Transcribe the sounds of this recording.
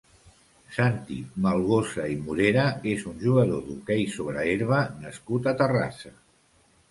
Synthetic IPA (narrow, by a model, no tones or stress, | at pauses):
sant̪imalˠɣosaimuɾeɾəezunʲʒuɣəðoðukɛjsoβ̞ɾəeɾβənəskut̪at̪əra̰sə